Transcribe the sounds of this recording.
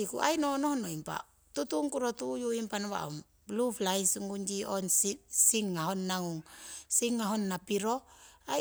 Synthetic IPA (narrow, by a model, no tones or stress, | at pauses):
ikṵʔa̰jnonohnoimpa̰ | tutuŋkuɾotujuimpanoβa̰o̰m | bluplajsuŋɡund͡ʒionsisiŋːaɦonːaŋuŋsiŋːaɦonːapiɾoa